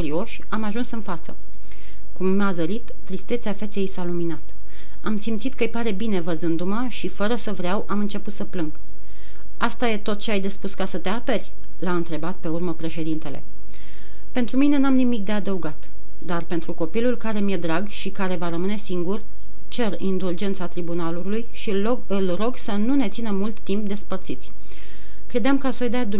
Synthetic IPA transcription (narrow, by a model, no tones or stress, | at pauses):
kuɾio̞ʃʲamaʒunsɨnfat̪sə | kumːeazəɾit̪ːɾist̪et̪seafe̞t̪sejsaluminat̪ | amsimt̪sit̪̚kəɨjpaɾe̞bine̞vəzɨnd̪uməʃifəɾəsəvɾeawʔamɨnt͡ʃe̞put̪səplɨŋɡ | ast̪aje̞t̪o̞t̪̚t͡ʃeajd̪e̞spuskasət̪eape̞rʲ | laɨnt̪ɾe̞bat̪̚pe̞urməpɾe̞ʃe̞d̪int̪e̞le̞̰ | pe̞nt̪ɾumine̞namnimik̚d̪e̞ad̪əuɡat̪ | d̪arpe̞nt̪ɾuko̞pilulkaɾe̞mije̞d̪ɾaɡʃikaɾe̞vaɾəmɨne̞siŋɡur | t͡ʃe̞rind̪uld͡ʒe̞nt̪sat̪ɾibunalulujʃi | ɨlro̞ɡsənune̞t̪sinəmult̪ːimp̚d̪e̞spərt̪sit̪sʲ | kɾe̞d̪eamkasojd̪ad̪